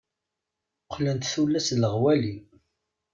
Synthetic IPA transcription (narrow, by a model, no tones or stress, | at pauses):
qʰːlænt̪θulːæsləʁwæli